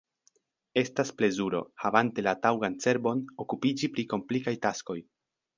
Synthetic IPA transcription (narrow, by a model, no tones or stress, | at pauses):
e̞stasple̞zuɾo̞̰havante̞latawɡant͡se̞ɾbo̞nokupid͡ʒipɾiko̞mplikajtasko̞j